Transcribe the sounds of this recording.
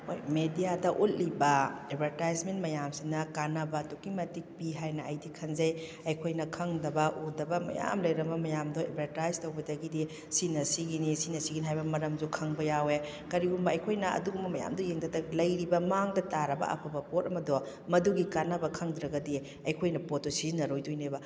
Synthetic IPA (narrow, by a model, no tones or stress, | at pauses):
ojmedijadɐʔut̚libɐebʱɐɾtajsmentmɐjamsinɐkanɐbɐtukimɐtik̚piɦajnɐɐjdikʰɐnzɐj | ɐjkʰojnɐkʰɐŋdɐbɐʔudɐbɐmɐ̰ja̰mlɐjɾɐmɐmɐjamdɔḛbʱɐɾtajztɐwbɐdɐɡidi | sinɐsiɡinisinɐsiɡiniɦajbɐmɐɾɐmzukʰɐŋbɐjawe | kɐɾiɡumbɐɐjkʰojnɐɐ̰duɡumbɐmɐja̰mdɔjeŋdɐdɐlɐjɾibɐmaŋdɐtaɾɐbɐ̰ʔɐ̰pʰɐbɐpotɐmɐdɔ | mɐduɡikanɐbɐkʰɐŋdɾɐɡɐdi | ɐjkʰojnɐpotosiznɐɾojdujnebɐ